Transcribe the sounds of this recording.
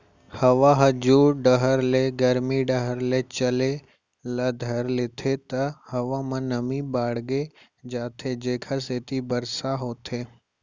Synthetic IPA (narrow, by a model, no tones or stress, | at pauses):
hɐʋaɦɐd͡ʒuːɾɖəɦəɾleɡɐɾmiɖəɦəɾlet͡ʃɐle | ləd̪ʱəɾlet̪ʰet̪ɐhɐʋamɐ̃nɐmibaːɽɡe | d͡ʒaːt̪ʰed͡ʒeːkʰaseːt̪ʰibəɾsaɦoːt̪ʰeː